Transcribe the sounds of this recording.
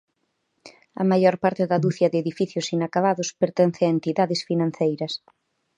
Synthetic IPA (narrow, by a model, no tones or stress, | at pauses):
ɐ̰maʎɔɾpaɾt̪ɪðɐðuθjɐðɪeðifiθjʊsinakaβaðʊspeɾt̪ɛn̟θɪɐent̪iðaðɪsfinãn̟θejɾɐs